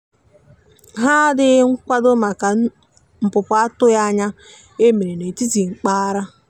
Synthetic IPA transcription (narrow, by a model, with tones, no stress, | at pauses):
ɦa˦dɪ˦ŋ̩˦kʷa˦dʊ˦ma˨ka˨ | m̩˨pʊ˨pʊ˨a˦tʊ˦ja˦ɲa˦ | e˦me˨ɾe˨ne˨ti˦ti˨ŋ͡m̩˨k͡pa˦ɾa˦